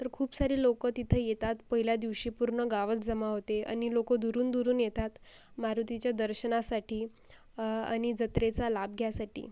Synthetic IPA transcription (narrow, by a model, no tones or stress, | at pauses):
t̪əɾkʰuːpsaɾiːlokət̪it̪ʰəjet̪at̪pəɦiljad̪iʋɕiːpuɾɳəɡaʋət͡s̪d͡zəmaɦot̪ea̰ñilokəd̪uɾuːnd̪uɾuːnjet̪at̪maɾut̪it͡ɕjad̪əɾɕənasaʈiː | a̰ɽ̃id͡zət̪ɾet͡salab̚ɡʱjasaʈḭː